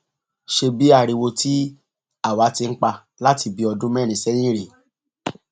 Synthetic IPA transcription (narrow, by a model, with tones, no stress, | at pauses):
ʃe˧bi˨˦a˦˧˨ɾi˧wo˧tʰi˦ | a˦˨wa˨˦ti˧n̩˦k͡pa˧ | la˦ti˧bi˧˦ɔ˧dũ˦mɛ˦˨nĩ˨sɛ˦j̃ĩ˦ɾi˨